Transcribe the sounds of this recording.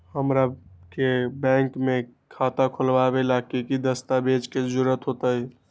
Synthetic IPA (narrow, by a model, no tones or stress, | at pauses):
həmɾakebɛ̃ŋkmekʰat̪akʰolbabelakekid̪əst̪abed͡ʒked͡ʒuɾət̪ɦot̪əj